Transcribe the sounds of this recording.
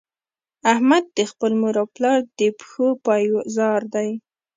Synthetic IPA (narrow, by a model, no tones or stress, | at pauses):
ahmad̪̚ːəxpəlmuɾɑplɑɾd̪əpxopɑjzɑɾd̪aj